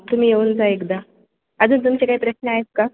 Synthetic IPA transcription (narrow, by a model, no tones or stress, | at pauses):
t̪um̤iːjeuːnt͡saekd̪a | ad͡zuːnt̪̬umt͡ɕekaɦipɾəɕnəaɦet̪ka